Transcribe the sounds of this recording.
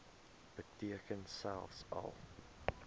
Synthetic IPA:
b̥ətiəkənsælˠfsɐ̰lˠ

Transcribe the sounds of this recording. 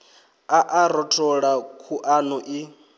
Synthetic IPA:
aʔaɾɔtʰɔɺakʰuʔanuʔi

